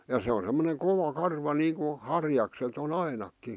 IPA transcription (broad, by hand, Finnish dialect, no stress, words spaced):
jɑ se o semːoneŋ koʋɑ kɑrʋɑ niːŋku hɑrjɑkset o ɑinɑkːi